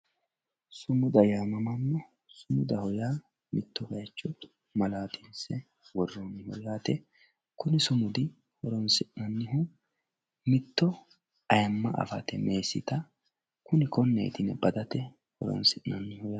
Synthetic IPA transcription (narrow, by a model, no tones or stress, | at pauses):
sʊmʊd̪ɐjaːmɐmɐmːɔ | sʊmʊd̪ɐhɔjaː | mɪt̪ːɔɡɐjɐt͡ʃːɔ | mɐlaːt̪insɛ | wɔrːɔnhɔjaːt̪ɛ | kʊnɪsʊmʊd̪ɪ | hɔɾɔnsɪʔnɐnːɪɦʊ | mɪt̪ːɔ | ɐjɐmːɐʔɐ̰fɐ̰t̪ɛme̞ːsɪt̪ɐ | kʊnɪkɔnːḛːt̪ɪnɛbɐd̪ɐt̪ɛ | hɔ̰ɾɔ̰nsɪʔnɐnːɪhʊja